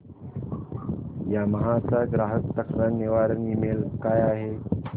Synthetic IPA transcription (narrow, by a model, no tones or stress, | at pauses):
jaməɦat͡saɡɾaɦəkt̪əkɾəneʋaɾnimelkajaɦe